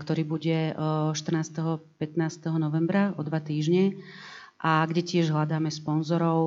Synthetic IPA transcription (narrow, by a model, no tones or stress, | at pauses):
kt̪ɔɾiːbuɟɛʃt̪r̩naːst̪ɛɦɔpɛt̪naːst̪ɛɦɔnɔʋɛmbɾaɔd̪ʋat̪iːʒɲɛ | ʔaɡɟɛcɪɛʒɦlad̪aːmɛspɔnzɔɾɔʊ